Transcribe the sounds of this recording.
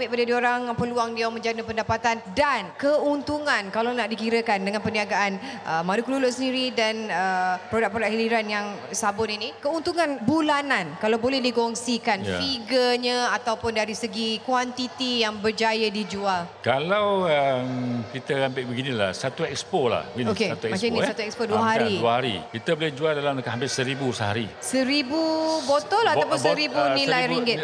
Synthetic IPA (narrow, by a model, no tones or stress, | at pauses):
mɪʔ̚padədioɾaŋpəluaŋdiawmə̃ɲd͡ʒanəpəndapat̪andankəunt̪uŋãnkalanaʔdikiɾəkandəŋanpəniaɡaʔanʔəmadukəlulʊʔsəndiɾidanəpɾodak̚pɾodaʔhiliɾanjaŋ | sabʊninikəunt̪uŋãnbulanankalawbolɛhdiɡɔŋsikan̰fiɡəɲãat̪awpʊndaɾisəɡikwant̪it̪ijaŋbərd͡ʒajadid͡ʒualkalawəmkit̪əambɪʔ̚bəɡinila̰hsat̪uɛkspola̰hiokesat̪uɛmat͡ʃaminisat̪uɛkspoduəɦaɾiuəhaɾḭkit̪əbolɛhd͡ʒualdalamkɦampɪsəɾibusəɦaɾi | səɾibubot̪ɔlat̪awpʊnsəɾibunilajɾiŋɡɪt̪̚